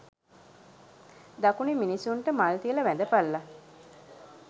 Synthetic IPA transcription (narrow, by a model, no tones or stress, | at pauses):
d̪ɐkuniminisuɳʈəmalt̪iələʋænd̪əpalːa